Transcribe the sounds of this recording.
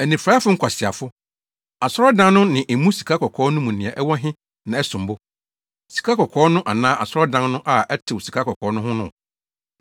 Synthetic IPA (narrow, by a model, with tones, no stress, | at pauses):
æ˨nĩ˨fɾa˦a˦fʊ˦ŋ̩˦kʰʷa˨sɪ˨a˨fʊ˦ | a˨sɾɔ˦dã˦nnʊ̃˦nɪ̃˨ʔe˨mũ˦si̥˨kʰa˦kʰɔ˨kʰɔː˨˦nʊ̃˦mũ˨nĩ˨a˨ʔɛ˦wɔ˦ɦɪ̃˦ | nã˨ɛ˦sʊ̃˨m˨bʊ˦ | si̥˨kʰa˦kʰɔ˨kʰɔː˦nʊ̃˦ʔa˨nãː˦ʔa˨sɾɔ˦dã˦nnʊ̃˦ʔa˨ɛ˦tʰɪ˨wsi˨kʰa˦kʰɔ˨kʰɔː˨˦nʊ̃˦ɦʊ̃˦nʊ̃˦˨